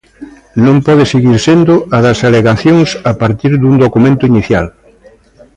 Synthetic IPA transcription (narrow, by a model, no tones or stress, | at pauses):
nõmpɔðɪseɣiɾsend̪ʊaðɐsaleɣaθjoŋsapaɾt̪iɾðund̪okumẽnt̪ʊiniθjal